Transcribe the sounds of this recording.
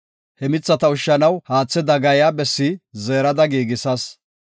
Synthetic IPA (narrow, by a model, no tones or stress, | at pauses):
hɛmɪt͡sːɐt̪ɐʊʃːɐnɐwhaːt͡sːɛd̪ɐɡɐjabɛsːizeːɾɐd̪ɐɡiːɡɪsɐs